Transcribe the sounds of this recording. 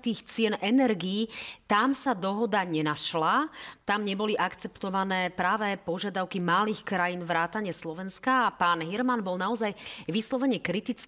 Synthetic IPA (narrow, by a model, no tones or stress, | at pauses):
t̪iːxt͡sɪɛnʔɛnɛɾɡiːt̪amsad̪ɔɦɔd̪aɲɛnaʃlat̪amɲɛbɔliʔakt͡sɛpt̪ɔʋanɛːpɾaːʋɛpɔʒɪad̪aʊkimaliːxkɾajiːnʋɾaːt̪aɲɛslɔʋɛnskaːpaːnɦiɾmanbɔlnaɔzajʋislɔʋɛɲɛkɾit̪it͡s